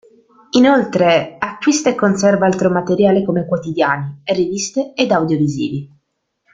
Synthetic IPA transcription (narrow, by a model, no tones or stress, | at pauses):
inolt̪ɾeakːwist̪ekːonsɛrvaalt̪ɾomat̪eɾjaːlekomekwot̪id̪jaːnirːivist̪eːd̪awd̪jovizḭːvi